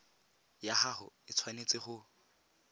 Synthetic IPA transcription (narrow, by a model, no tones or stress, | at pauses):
jaχaχʊɪt͡sʰwanet͡sʼɪχʊ